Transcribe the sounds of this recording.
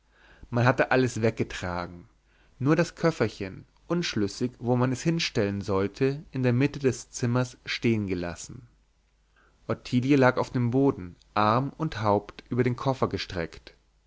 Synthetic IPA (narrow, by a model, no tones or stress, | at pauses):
manɦatəʔaləsvɛk̚ɡ̥ətʁ̥a̰ːɡŋ̩ | nuːɐɾaskʰœfɐçən | ʔʊnʃlʏsɪçvoːmanɛshɪnʃtɛlənzɔltʰəʔɪndeːɐmɪtədɛst͡sɪmɐsʃteːənɡəla̰sn̩ | ʔɔtʰiːljəlaːkaʊfd̥eːmboːdn̩ʔaʁmʊnthaʊptʔyːbɐɾeːnkʰɔfɐɡəʃtʁ̥ɛ̰kt